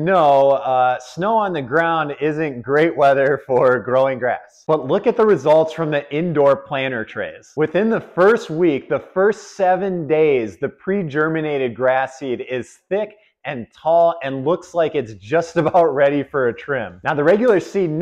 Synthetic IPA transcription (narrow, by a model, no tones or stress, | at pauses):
noʊʌsnoʊə̃nðɨɡɹãʊ̃ndɪzɨ̃nɡ̥ɹeɪʔ̚wɛðə˞fə˞ɡɹoʊɪ̃ŋɡɹæ̰sb̥ʌtˡlʊkɨt̪̚ðɨɹɨzʌlˠtsfɹʌ̃mðiʔɪ̃ndɔɹpʰl̥æ̃ɾ̃ə˞tʰɹ̥ḛɪz̥wɨθɪ̃nðəfɜ˞st̚wik̚ðɨfɜ˞stsɛvɨ̃ndeɪzðɨpʰɹ̥id͡ʒɜ˞mɨneɪɾɨd̚ɡɹæsiɾɪz̥θɪk | ɨ̃ntʰɔlˠɨ̃nlʊkslaɪkɨtsʒ̥ʌstɨbaʊt̚ɹɛɾifə˞ɨtʰɹ̥ɪ̃mnaʊðɨɹɛɡjl̩ˠə˞sidⁿn